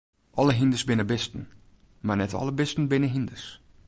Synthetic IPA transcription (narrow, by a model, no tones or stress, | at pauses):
ʔɔləɦindəsbɪnəbɪstən̩ | marnɛtʰɔ̰lˠəbɪstən̩bɪnəɦindəs